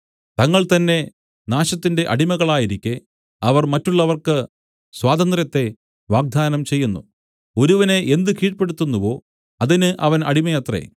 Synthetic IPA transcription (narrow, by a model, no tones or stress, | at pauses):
t̪ɐŋːɐɭt̪ɐnːe̞ | naːɕɐt̪ːinde̞ʔɐɽimɐɣɐɭaːjiɾikʲːe | ɐʋɐrmɐtːuɭːɐʋɐrkɨ | swaːd̪ɐnd̪rjɐt̪ːe̞ | ʋaːɡ̚d̪ʱaːnɐmt͡ɕe̞jːunːṵ | o̞ɾuʋɐne̞ʔend̪ɨkiːʈpe̞ɽut̪ːunːuʋo̞ː | ɐðinɨʔɐʋɐnɐɽimɐjɐt̪rḛ